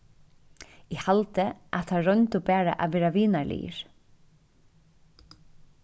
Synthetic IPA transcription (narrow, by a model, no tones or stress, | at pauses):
ɛhalt̪ɪʔḁt̪θʰaɾœjnt̪ʊpɛːɾa̰ʔavɛːɾaviːnaɹlḭjɪ̰ɾ̥